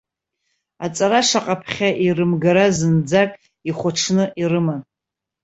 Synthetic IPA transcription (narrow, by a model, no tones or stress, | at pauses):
at͡sʼaɾaʂaqʼapʰχʲaʔirɨmɡaɾazɨnd͡zakʼ | iχʷaʈ͡ʂʰnɨʔirɨman